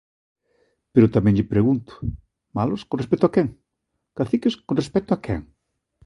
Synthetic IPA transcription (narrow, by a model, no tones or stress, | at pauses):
peɾʊt̪amɛ̃ŋʎɪpɾeɣunt̪ʊ̥ | malʊskõnres̬pɛkt̪oakɛŋ | kaθikɪskonrespɛt̪ʊakɛŋ